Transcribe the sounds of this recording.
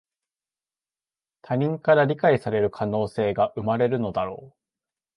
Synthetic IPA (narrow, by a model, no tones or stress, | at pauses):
t̪ʰaɲ̟ĩŋkaɾaɾʲikaisaɾe̞ɾɯ̟kʰano̞ːse̞ːɡaʔɯ̟maɾe̞ɾɯ̟no̞d̪aɾo̞̰ː